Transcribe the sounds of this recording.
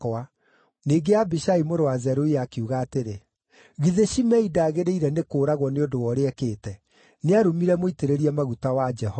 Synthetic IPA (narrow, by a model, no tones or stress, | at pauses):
ka | neːɡeabiʃaimoɾoazɛɾoiakeuɣaːteɾe | ɣiðeʃimɛidaːɣeɾeiɾɛnekoːɾaɣwɔneodowɔɾeɛkeːtɛ | neaɾomiɾɛmoiteɾeɾiɛmaɣutawad͡ʒɛhɔ